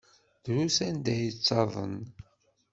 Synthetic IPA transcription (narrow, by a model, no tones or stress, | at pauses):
ðɾusænd̪æjət͡sːɑðˤə̰n